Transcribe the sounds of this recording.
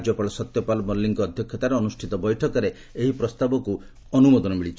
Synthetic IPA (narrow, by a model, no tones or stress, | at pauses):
d͡ʒɔpaɭɔsɔt̪jɔpalɔmɔlːiŋkɔːd̪ʱjɔkʰjɔt̪aɾɔːnusʈʰit̪ɔbɔjʈʰɔkɔɾe | eɦipɾɔst̪abɔku | ɔnumɔd̪ɔnɔmiɭit͡ʃʰi